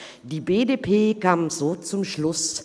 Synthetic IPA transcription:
d̥iːbeːdepʰeːkʰaːmzoːt͡sʊmʃlʊs

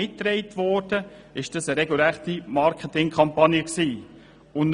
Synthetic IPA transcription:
ɪtːɾɛɪtvɔɾd̥əɪʃd̥ɑsəɾɛɡulɛʁt̪imɑɾkʰətɪŋkʰɑmpɑnjəksiː | ʊn

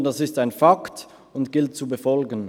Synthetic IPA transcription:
dasɪstaɪnfakt | ʊntɡ̥ɪlt̚t͡subəfɔlɡən

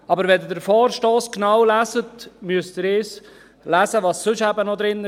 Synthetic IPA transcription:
ɑbəɾʋɛd̪dəɾfɔːɾʃtoːsknawlæsətmyəst̪ɪɾɪːs | læsəʋɑsːɵʃæbənɔd̪ɾɪn

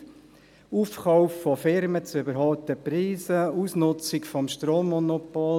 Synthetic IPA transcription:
ufχɑʊfːɔfɪɾmət͡sʏbəɾɦɑlt̪əpɾiːsəusnʊt͡sɪkfɔmʃtroːmːɔnopol

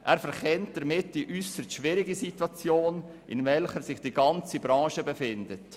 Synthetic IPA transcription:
ʔæːɾfɛɾχʰɛnt̚d̥əɾmɪtd̥iʔysəstʃʋɪɾɪɡisitwɑt͡sjoːn | ʔɪnvɛlχəɾsɪχd̥iɡɑnt͡sibɾɑ̃ːʃəbəfɪndət

